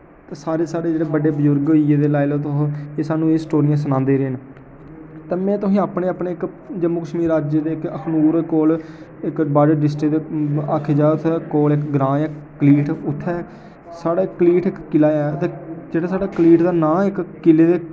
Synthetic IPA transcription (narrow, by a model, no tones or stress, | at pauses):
t̪eːsaːɾeːsaːɽeːd͡ʒeːɽeːbəɖeːbəzʊɾɡɦiːeːd̪eːlaːɪlot̪ʊɦeːsaːnːũːeːsʈoːɾijãːs̬ənãːnd̪eːɾeːn | t̪eːmɛ̃ːt̪ʊsĩːaːpneːaːpneːɪk | d͡ʒəmːʊkəʃmiːɾaːd͡ʒed̪eːɪkəkʰnuːɾkoːl | ɪkbaːd͡ʒəɖɪsʈeːd̪eːaːkʰed͡ʒaːt̪koːlɪkɡɾãːaːkliːʈʰʊt̪ʰːɛː | saːɽaːɪkːəliːʈɪkːɪlaːɛːt̪ẽːd͡ʒeːɽaːsaːɽaːkəliːʈd̪aːnãːɪkkɪleːd̪eː